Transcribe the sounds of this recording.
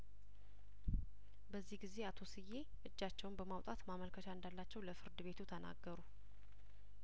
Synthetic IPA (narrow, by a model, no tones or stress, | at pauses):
bəzːihɡize̞at̪ʰo̞sɨjːe̞ | ʔɨd͡ʒːat͡ʃːɛwnbəmawt̪ʼat̪maməlkʰətaɨnd̪alːat͡ʃːɛwləfɨɾd̪ɨβe̞t̪ʰut̪ʰəna̰ɡːəɾu